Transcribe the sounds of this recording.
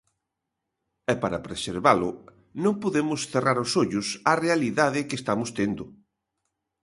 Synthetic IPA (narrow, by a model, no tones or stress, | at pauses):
ɛpaɾɐpɾeseɾβalʊ | nõŋpoðemʊsθeraɾʊsoʎʊsarealiðaðɪkest̪amʊst̪end̪ʊ